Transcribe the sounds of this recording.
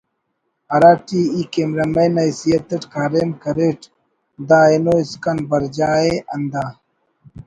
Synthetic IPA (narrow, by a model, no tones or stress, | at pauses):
ɐɾaːʈiːikemɾɐmɐnɐjsijɐt̪ɐʈkaːɾemkɐɾeʈ | d̪aːinoːiskɐnbɐɾd͡ʑaːeɐnd̪aː